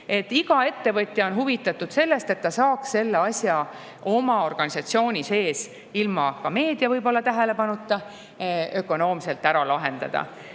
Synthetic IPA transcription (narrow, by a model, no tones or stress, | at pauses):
e̞t̪ːiɡɑe̞t̪ːe̞vɤt̪ʲjɑo̞nɦuvit̪ːˑɑt̪ːud̪̥se̞lːe̞st̪e̞t̪ːɑsɑːksse̞lːeɑsʲjɑ | o̞mɑo̞rɡ̥ɑnʲisɑt̪sio̞ːnʲise̞ːs | ilmɑkɑme̞ːd̪̥ijɑvɤjbo̞lːɑt̪æɦele̞pɑnut̪ːˑɑ | ø̞ko̞no̞ːmse̞lt̪ːˑæɾɑlɑɦe̞nd̪̥ɑ̰d̪̥ɑ̰